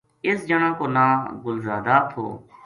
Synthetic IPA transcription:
ɪsd͡ʒəɳ̃ãːkoːnaːɡʊlzaːd̪aːt̪ʰo̰ː

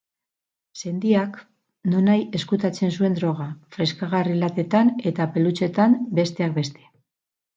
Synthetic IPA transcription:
se̞nd̪iak | no̞naje̞skut̪at͡se̞ns̬ue̞nd̪ɾo̞ɣ̞afɾe̞skaɣarilat̪e̞t̪ane̞t̪ape̞lut͡se̞t̪ambe̞st̪e̞ak̚be̞st̪e̥

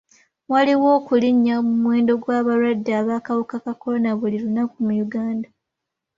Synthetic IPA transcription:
waliwoːkuliɲːamumweːndo̞ɡwaːβalwadːeaβakawukakako̞lo̞naβulilunakumujuɡaːnda

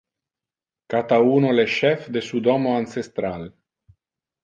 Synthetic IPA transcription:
kat̪auːnoleʃɛfd̪esud̪ɔmoansest̪ɾal

